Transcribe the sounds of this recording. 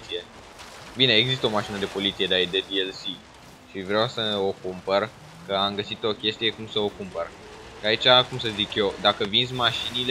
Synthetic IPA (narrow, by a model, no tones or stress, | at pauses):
sie̞ | bine̞eɡzist̪əo̞maʃinəd̪epo̞lit̪sije̞d̪eaed̪ed̪ielsi | ʃivɾeawsəo̞kumpər | kəamɡəsit̪o̞kʲe̞st̪ije̞kumsəo̞kumpər | ʃait͡ʃakumsəzikje̞wd̪akəvinzmaʃinile